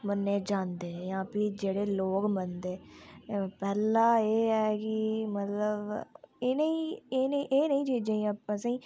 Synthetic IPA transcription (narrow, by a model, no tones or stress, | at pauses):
mənːeːd͡ʒãːnd̪eːjãːpɪd͡ʒeːɽeːloːkmənd̪eː | pɛːlãːeːɛːkɪmət̪ləbeːnəĩːeːnʔeːnəĩːd͡ʒiːd͡ʒaĩːapãsãiː